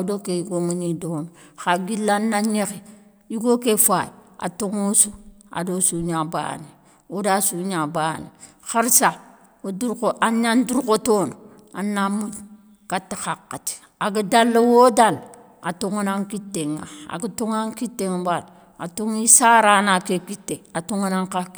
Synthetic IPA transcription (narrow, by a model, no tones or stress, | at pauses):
adokejuɡominidonoxaɡilːanːaɲexi | juɡokefa | a̰toŋosua̰dosuɲaba̰ni | odasuɲabanḭ | xəɾsa | oduɾkoʔaɲanduɾkotono | anːamud | katːixakːati̥ | aɡidalːowodal | atoŋunaŋkitːeŋa̰a̰ɡutoŋaŋkitːeŋbal | atoŋisaɾanakekitːeatoŋunaŋka